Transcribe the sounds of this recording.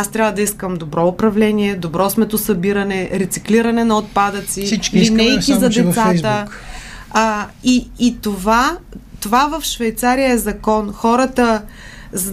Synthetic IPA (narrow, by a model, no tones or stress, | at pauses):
ast̪ɾʲavəd̪ɐiskəmd̪obɾɔʊpɾɐvlɛniɛd̪obɾɔsmɛt̪ʊsɐbiɾɐnɛɾɛt̪sikliɾɐnɛnɐot̪̚pad̪ət̪silinɛjkizɐd̪ɛt̪satzəkː | iːt̪ovat̪ovavəfʃvɛjt̪saɾijəɛzɐkɔnxɔɾət̪ə | z